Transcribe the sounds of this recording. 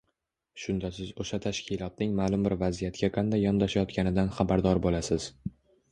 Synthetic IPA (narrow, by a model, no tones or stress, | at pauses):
ʃʊnd̪asɪzoʃat̪ʰaʃkʲɪlˠɒt̪̚nɪŋmaːlˠʊmbɪɾvazijat̪kʲaqʰɑnd̪ajːɒnd̪aʃajɒt̪kʲʰanɪd̪anχabaɾd̪ɒɾbolasɪz̥